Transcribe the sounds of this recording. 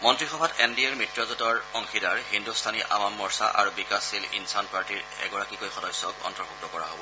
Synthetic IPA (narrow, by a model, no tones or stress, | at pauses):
mɔntɹixɔbʱatɛndiɛɹmɹitɹɔzɔtɔɹɔŋxidaɹhindustʰaniʔa̰bamːɔɹsa̰ʔa̰ɹubikasilḭnsanpaɹtiɹɛ̰ɡɔɹakikojxɔdɔjsɔkɔ̰ntɔbuk̚tɔkɔɹa̰ɦobɔ